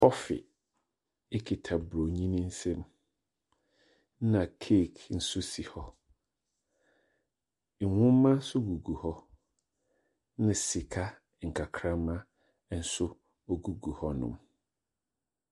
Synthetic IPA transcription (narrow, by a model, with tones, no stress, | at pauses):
hɔ˦fɪ̰˨ | ɪ˦kʰɪ˨tʰa˨bɾo˨ɲĩ˦nĩ˦n̩˦sɛ̃˦m˦ | nã˨kʰe˦˨kn̩˨sʊ˦si˨hɔ˦ | ŋ̩˨wʊ̃˦mː˦ã˦sʊ˦ɡu˨ɡu˨hɔ˦ | nɪ̃˨si˨kʰa˦ | ŋ̩˨kʰa˨kʰɾã˦mã˦˨ | n̩˨˦sʊ˦ | ɔ˦ɡu˨ɡu˨hɔ˦nʊ̰̃˨m